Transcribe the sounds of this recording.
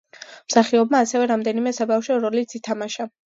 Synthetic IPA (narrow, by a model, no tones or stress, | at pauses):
msaχiɔb̚maːsɛvɛɾamd̪ɛnimɛsabafʃɔɾɔlit̪sʰit̪ʰamaʃa